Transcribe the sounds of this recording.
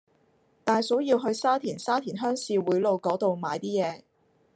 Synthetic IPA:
t̪aː˨jso˨˥wjiː˧wɦɵ˧ɥsaː˥t̪ʰiː˨˩nsaː˥t̪ʰiː˨˩nɦœː˥ŋsiː˨˧wuː˨˥jlo˨˧wkɔː˨˥t̪o˨˧wmaː˨˧jt̪iː˥jɛː˨˧

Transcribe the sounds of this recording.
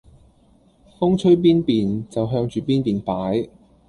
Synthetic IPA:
fʊ˥ŋt͡ʃʰɵ˥ɥp̬iː˥npiː˨nt͡sɐ˨wɦœː˧ŋt͡ʃyː˨˩piː˥npiː˨npaː˨˥j

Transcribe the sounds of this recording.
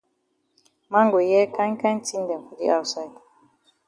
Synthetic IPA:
ma˦ŋɡo˨jɛ˦ka˦ŋ˦kã˦n˦ti˦ndɛ˨ku˨dḭ˦ʔa˦˨wsa˦˨t

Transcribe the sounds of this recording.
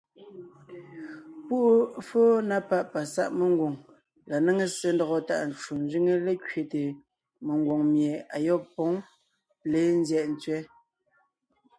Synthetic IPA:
pu˦fo˦na˦pa˦˨ʔpa˨sa̰˦ʔme˨ŋɡwo˨ŋ | la˨ne˦ŋe˦se˨n˦dɔ˨ɣɔ˨ta̰˨ʔn̩˨t͡ʃu˨n˦zɥi˦ŋe˦le˦kɥe˨te˨ | me˨ŋɡwo˨ŋmje˨a˨jɔ˦pɔ˨˦ŋ | le˨˦n̩˦zjɛ˨ʔn̩˨t͡sɥɛ˦

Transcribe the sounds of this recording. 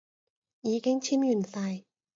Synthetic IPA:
ʔiː˨˦ke˧˥ŋt͡ɕʰi˧˥mju˨˩nsa˧j

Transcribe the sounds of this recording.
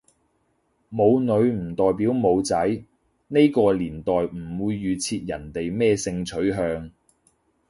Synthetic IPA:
mo˨˧wnɵ˨˧ɥm̩˨˩t̪ɔː˨jpiː˨˥wmo˨˧wt͡sɐ˨˥j | ne˥jkɔː˧liː˨˩nt̪ɔː˨˩jm̩˨˩wuː˨˧jːyː˨˧t͡sʰiː˧t̚jɐ˨˩nt̪e˨jmɛː˥sɪ˧ŋt͡sʰɵ˨˥ɥɦœː˧ŋ

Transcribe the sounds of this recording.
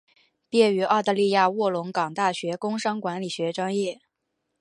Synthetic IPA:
pjɛ˥˩y˧˥ɑ˥˧ʊt̪a˥˧li˥˧ja˥˧wɔ˥˩lʊ˧˥ŋkɑ˨˩ŋt̪a˥˩ɕɥɛ˧˥kʊ˥ŋʂɑ˥ŋkwa˧˥nli˨˩ɕɥɛ˧˥ʈ͡ʂwɑ˥ŋjɛ˥˩

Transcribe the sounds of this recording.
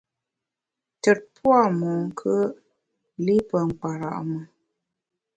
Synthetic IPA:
tə˨t̚pwa˦˨mɔ˨ŋ˦kʰə˦ | li˦pə˨ŋ̩˨k͡pa˨ɾa̰˨ʔmə˨

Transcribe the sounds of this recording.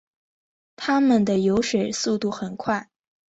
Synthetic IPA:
t̪ʰa˥mə˨nd̪ə˩jo˧˥ʊʂe˨˩ɪsu˥˧t̪u˥˩xə˨˩nkʰwa˥˩ɪ

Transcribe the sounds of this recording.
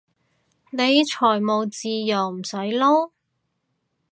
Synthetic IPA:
ne˨˧jt͡ʃʰɔː˨˩jmo˨˧wt͡siː˨˧jɐ˨˩wm̩˨˩sɐ˨˥jlo˥w

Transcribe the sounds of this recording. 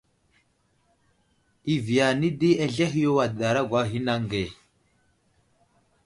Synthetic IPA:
i˨vi˨ja˨ni˦di˦e˨ɮe˦ɦi˦jo˦wa˨da˨ɾa˦ɡʷa˦ɦi˦na˦ŋ˨ɡe˨

